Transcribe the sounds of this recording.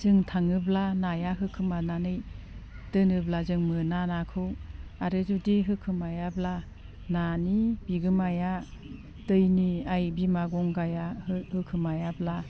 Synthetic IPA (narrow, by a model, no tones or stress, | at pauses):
zɯŋtʰaŋɯblanajaɦɯkʰɯmananɯj | d̥ɯnɯblazɯŋmɯnanakʰɯwaɾɯzudiɦɯkʰɯmajabla | nanibiɡɯmaja | dɯjniajbimaɡɔŋɡajahɯkʰɯmajabla